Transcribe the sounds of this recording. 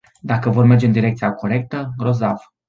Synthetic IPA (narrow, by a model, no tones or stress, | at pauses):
d̪akəvo̞rme̞rd͡ʒeɨnd̪iɾe̞kt̪sijako̞ɾe̞k̚t̪əro̞zav